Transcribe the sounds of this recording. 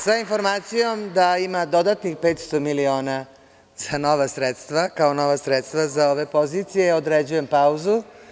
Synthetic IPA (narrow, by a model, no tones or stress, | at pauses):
sainfo̞ɾmaːt̪sijo̞md̪aimad̪o̞d̪at̪nixpet̪st̪o̞milio̞ːna | z̥ano̞ʋasɾet̪st̪ʋakaono̞ʋasɾet̪st̪ʋazao̞ʋe̞po̞zit̪sijeod̪ɾed͡ʑuje̞mpauzu